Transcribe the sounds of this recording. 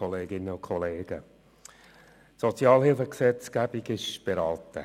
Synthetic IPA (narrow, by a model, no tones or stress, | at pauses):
ɔleːɡɪnːəʊkʰɔleːɡ̥ə | tsɔt͡sjɑːlhɪlfəksɛt͡sɡ̥æb̥iɡɪʃb̥eɾɑltə̰